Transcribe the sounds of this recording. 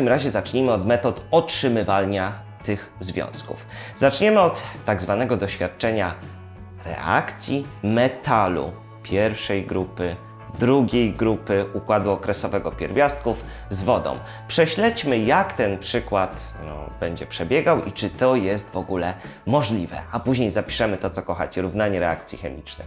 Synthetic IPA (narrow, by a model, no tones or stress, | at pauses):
t̪akʲimɾaʑɛzat͡ʂɲimɘɔd̪mɛt̪ɔt̪ɔtʂɘmɘvalɲa | t̪ɘxzvʲjɔ̰̃w̃skṵfz̥at͡ʂɲɛmɘɔt̪ːaɡzvanɛɡɔd̪ɔɕfʲjat̪̚t͡ʂɛɲa | ɾɛ̰ʔa̰kt̪sʲjimɛt̪alṵ | pʲjɛɾfʂɛjɡɾupɘ | d̪ɾuɡʲejɡɾupɘukwad̪uɔkɾɛsɔvɛɡɔpʲjɛ̰ɾvʲjast̪̚kuf | zvɔd̪ɔ̰̃w̃ | pʂɛɕlɛt͡ɕmɘjakt̪ɛnpʂɘkwat̪ | nɔ̰b̥ɛɲd͡ʑɛpʂɛbʲjɛɡawʔḭt͡ʂɘt̪ɔjɛst̪vɔɡulɛ | mɔʐlʲivɛ̰apuʑɲejzapʲi̥ʂɛmɘt̪ɔt̪sɔkɔxa̰t͡ɕɛɾuvnaɲɛɾɛa̰k̚t̪sʲjixɛmʲit͡ʂnɘ̰x